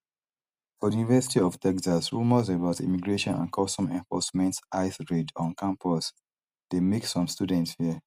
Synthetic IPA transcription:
fɔjunivɛsi̥tiɔftʰɛksasɹumɔs̬əbaʊtḭmiɡɹeʃɔ̃nã̰nkʰɔstɔ̃mɛ̃ɱfɔsmɛ̃ntʔaɪsɹedɔ̃nkãmpʰɔs | d̥emeksɔ̃mstudɛ̃ntshiə

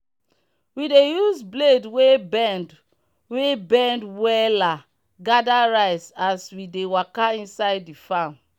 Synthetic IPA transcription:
widejuzbledwebɛnd | webɛ̃ndwɛla | ɡadaɹaɪsaswidewakaĩnsaɪdːifãn

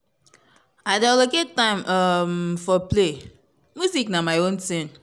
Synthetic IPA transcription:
adaloketãɪ̃mamfɔple | mjuziknamaɪõnsĩn

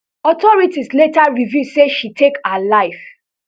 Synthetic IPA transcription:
ɔtɔɹitisletaɹivjuseʃitʰekaalaɪf

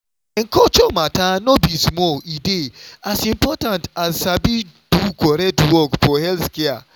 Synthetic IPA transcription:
eŋ̩kɔt͡ʃomatanobismɔlideasĩmpɔtãntazsabi | d̥ukɔɾɛtwɔkfɔhɛlθkɛa̰

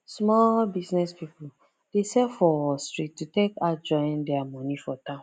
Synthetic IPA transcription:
smɔlbisnɛspipu | d̥esɛfɔɔstɹitːutekad͡ʒɔ̃ɪ̃ndɛamɔ̃nifɔtã

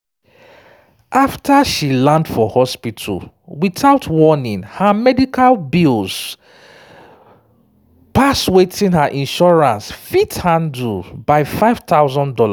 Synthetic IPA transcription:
ʔaftʰaʃilãndfɔhɔspitʰṵl | wiθaʊtʰwɔnĩŋhamɛdikʰalbilz̥ | paswetĩnhəʔĩnʃɔɹãnsfithãndubaɪfaɪv̥taʊzɔ̃ndɔla

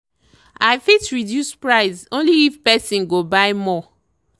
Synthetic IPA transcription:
aɪfitɹidjuspɹaɪsõnliːfpɛsĩnɡobaɪmɔ

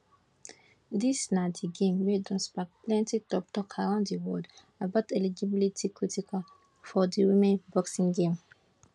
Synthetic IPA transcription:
disnadiɡẽmwedɔ̃nsbak̚plɛ̃ntitɔp̚tɔkʰaɾãndiwɔd | abatɛlid͡ʒibilitʰikɹitikal | fɔdiɹimẽnbɔksĩŋɡẽm

